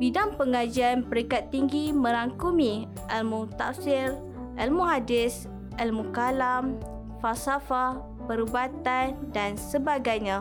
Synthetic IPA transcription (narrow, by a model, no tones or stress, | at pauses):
bidaŋpəŋad͡ʒianpəɾikat̪ːiŋɡimə̃ɾaŋkumi | ʔɛlmut̪a̰ʔsɪr | ʔɛlmuadɪs | ɛlmukalam | falsafa | pəɾubat̪andansəbaɡajɲã